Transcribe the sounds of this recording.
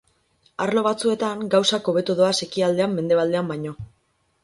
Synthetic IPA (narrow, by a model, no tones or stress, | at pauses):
aɾlo̞β̞at͡sue̞t̪aŋɡawsako̞βe̞t̪uðo̞ase̞kiald̪e̞amːe̞nd̪e̞β̞ald̪e̞ambajɲo̞